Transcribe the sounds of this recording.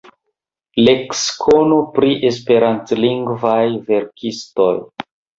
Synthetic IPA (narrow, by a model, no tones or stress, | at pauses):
lekskʰonopɾiʔe̞s̬pe̞ɾantliŋɡvajve̞ɾkʰisto̞̰j